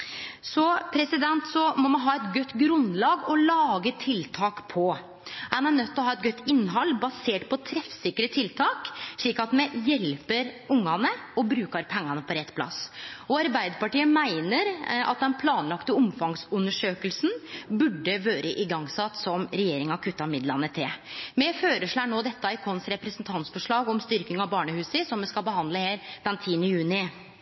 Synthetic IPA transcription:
sɔpʰɾɛsɪd̪ɛnt̪sɔmɔmɑnɦɑːɛt̪ɡœt̪ːɡɾʉnlɑːɡɔlɑːɡət̪ʰɪlt̪ʰɑːkpʰɔ | hɑnænœt̪ːɔɦɑːɛt̪̚ɡœt̪ːɪnːɦɑlːbɑseːʈpʰɔt̪ʰɾɛfsɪkːɾət̪ʰɪlt̪ʰɑːkʂɭiːkɑt̪mɛjɛlpəɾʊŋːɑnəɔbɾʉːkɑɾpʰɛŋːɑnəpʰɔɾɛt̪ːpʰlɑ̰sɔɑɾbæɪd̪əpɑʈiːəmæɪnəɾʔɑ̰t̪̚d̪ɛnpʰlɑːnlɑkt̪əɔmfɑŋsʉnːəʂøːkəlsn̩bʉɖːəʋøːɾəʔɪɡɑŋsɑt̪ːsɔmɾɛjeːɾɪŋɑkʰʉt̪ːɑmɪd̪lɑnːət̪ʰɪmɛføːɾəʂɭæːɳoːd̪ɛt̪ːɑɪkʰɔnsɾɛpɾəsənt̪ʰɑnt̪sfɔʂɭɑːɡɔmst̪ʏɾkɪŋɑbɑːɳəhʉːsəsɔmmɛskɑlbəhɑnd̪ləheːɾd̪ɛnt̪ʰiːənəjʉːnɪ

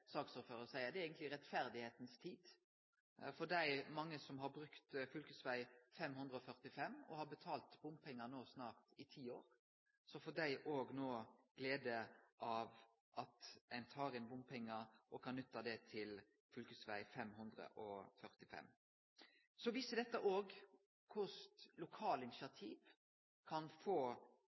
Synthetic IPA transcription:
sɑːksuːɾføːɾəsæɪəd̪ɛɾeːɡənt̪lɪɾɛt̪fæɾd̪ɪheːt̪nst̪ʰiːd̪ | fɔɖæɪmɑŋːəsɔmɦɑɾbɾʉkt̪fʏlkʉsʋæɪfɛmhʉnd̪ɾəɔfœʁt̪ɪfɛmːɔ̰hɑɾbət̪ʰɑːlt̪bʊmpʰɛŋːənoːsnɑːʁt̪ɪt̪ʰiːoːɾ | sɔfɔɖæɪʔoːɡnoːɡ̥leːd̪əʔɑʋ | ʔɑt̪ænt̪ʰɑːɾɪnbʊmpʰɛŋːəʔɔkʰɑnnʉt̪ːɑd̪ɛt̪ʰɪl | fʏlkʉsʋæ̰ɪfɛmhʉnd̪ʁə̰ʔɔfœʁt̪ɪfɛ̰mː | sɔʋisəd̪ɛt̪ːəʔoːɡ | kʰʊst̪lʊkʰɑːləɪnɪsɪɑt̪ʰiːʋ | kʰɑnfoː

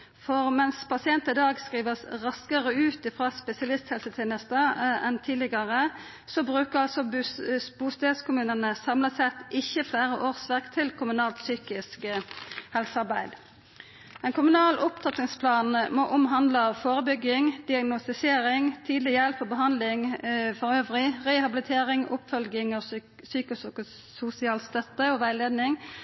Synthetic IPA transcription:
fɔʁmɛnspʰɑsɪɛnt̪ɪd̪ɑːɡskʁiːʋəsʁɑskəʁəʉːt̪ɪfʁɑːspɛsɪɑlɪst̪hɛlsət̪ʰeːnəst̪əɛnt̪ʰiːlɪɡəʁə | sɔbʁʉːkəʁɑlsɔbbuːst̪eːd̪skʊmʉːnənəsɑmləsɛt̪ɪçːəfleːʁəʔoːʁsʋækt̪ʰɪlkʰʊmʉnɑːlt̪syːkɪskhɛlsəɑʁbæɪd̪ | ɛnkʰʊmʉnɑːlʔʊpt̪ʰɑt̪ɪŋspʰlɑːnmoːʔʊmɦɑnd̪ləɑʋfoːʁəbʏɡɪŋd̪ɪɑɡnʊst̪ɪseːʁɪŋt̪ʰiːd̪lɪjɛlpɔbəɦɑnd̪lɪŋfɔʁøːʋʁɪʁɛhɑbɪlɪt̪ʰeːʁɪŋʊpfœlɡɪŋɔ | syːkəsʊ | sʊsɪɑːlst̪œt̪ːəɔʋæɪleːd̪nɪŋ

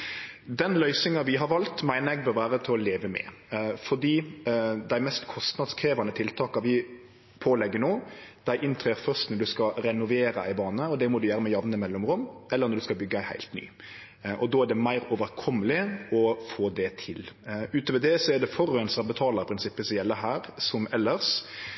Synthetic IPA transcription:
d̪ɛnlœʏsɪŋɑʋɪɦɑɾʋɑlt̪mæɪnəɾɛɡ̚bœːɾʋæːɾət̪ʰɪlɔleːʋəmɛ̰fɔɖiːd̪æɪmɛst̪kʰɔst̪nɑd̪skʰɾeːʋɑnət̪ʰɪlt̪ʰɑːkɑʋɪ | pʰoːlɛɡːənoːd̪̥æɪʔɪnt̪ʰɾeːɾfœʁst̪nɔd̪ʉskɑɾɛnʊʋeːɾə̰ɪbɑːnəɔd̪ɛmɔd̪ʉjæːɾəmɛjɑʋnəɪmɛlːɔmɾʊmːɛlːəɾnɔɾd̪ʉskɑlbʏɡːəæɪhæ̰ɪlt̪ny̰ː | ʔɔd̪ɔːæɖ̪ɛmæɪɾɔːʋəɾkʰɔmːəlɪɔfoːd̪ɛt̪ʰɪlʉːt̪əʋəd̪ɛsɔɛd̪ɛfɔɾøɛnsɑbət̪ʰɑːləɾpʰɾɪnsɪpːəsɔmjɛlːəɾɦæːɾsɔmɛlːəɾʂ

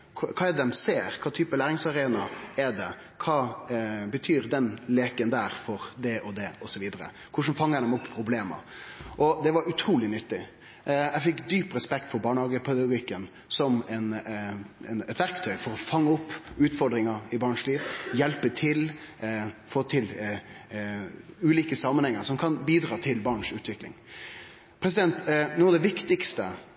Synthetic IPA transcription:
kʰɑːɛd̪ɛmseːɾkʰɑːt̪ʰyːpəlæːɾɪŋsɑɾeːnɑɛd̪ɛ | kʰɑːbət̪ʰyːɾd̪ɛnleːkənd̪æːɾfɔɾd̪ɛʔɔd̪ɛɔsɔʋiːd̪əɾə̰ | kʰʊʂənfɑŋːəd̪ɛmʊpʰːɾʊbleːmɑ̰ʔɔd̪ɛʋɑɾʉt̪ʰɾuːlɪnʏt̪ːɪ | æfɪkːd̪yːpɾɛspɛkt̪fɔɾbɑːɳhɑːɡəpʰɛd̪ɑɡʊɡɪkːən | sɔmɛn | ɛnɛt̪ʋæɾkt̪ʰœʏfɔɾɔfɑŋːəʊpːʉːt̪fɔɾɖ̪ɾɪŋəɾɪbɑːɳʂliːʋjɛlpət̪ʰɪl | fɔːt̪ʰɪl | ʉːliːkəsɑmːənhɛŋːəɾsɔmkʰɑnbiːd̪ɾɑːt̪ʰɪlbɑɳʂʉːt̪ʋɪklɪ̰ŋ | pʰɾɛs̬ɪd̪ɛnt̪nuːɑʋd̪ɛʋɪkt̪ɪkst̪ə

